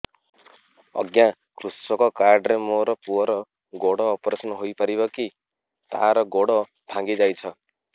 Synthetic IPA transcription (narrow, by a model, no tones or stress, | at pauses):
ʌ̰ɡjã | kʰrusɔkɔkaɾɖɾemoɾɔpuɾɔ | ɡoɽɔːprʌsnʌɦojpʌɾibʌki | t̪a̰ɾɔɡoɽɔ | bʱãŋɡid͡zajt͡sʰʌ